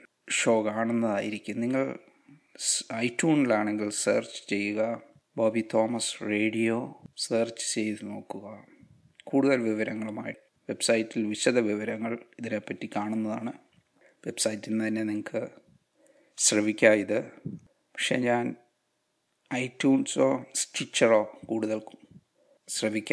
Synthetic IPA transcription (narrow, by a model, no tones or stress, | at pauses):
ʂo̞ːkaːɳunːɐðaːjiɾikʲːumniŋːɐɭ | ɐjtːjuːnilaːɳeŋɡilsḛːrt͡ɕɨ̥t͡ɕe̞jːuɣɐ | boːbit̪o̞ːmɐsre̞ːɽijoːseːrt͡ɕːɨ̥t͡ɕe̞jt̪ɨno̞ːkːuɣɐ | kuːɽuðɐlʋiʋɐɾɐŋːɐɭumaːji | ʋe̞bsɐjitːilʋiɕɐd̪ɐʋiʋɐɾɐŋːɐɭiðinepːɐtːikaːɳunːɐðaːɳɨ | ʋe̞bsɐjitːinɨt̪ɐnːe̞niŋɐkʰːɨ | ɕrɐʋikʲːaːiðɨ | pɐkʂeːɲaːn | ɐjtːjuːnso̞̰ːstit͡ɕːɐro̞ːkuːɽuðɐlku̥ | ɕrɐʋikʲː